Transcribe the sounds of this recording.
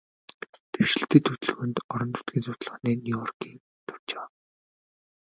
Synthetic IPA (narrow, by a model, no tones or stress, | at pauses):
t̪ʰew̥ʃɪ̆ɬt̪ɘ̆ːt̪ʰːut̪ɵ̆ɮɣɵ̆nt̪ɔɾɞ̆nt̪ʰʊ̥t̪̚ɡʲiːnsʊt̪̆ɮχneːnʲijɔrkiːŋ | t̪ʰʊ̥w̥t͡ɕawa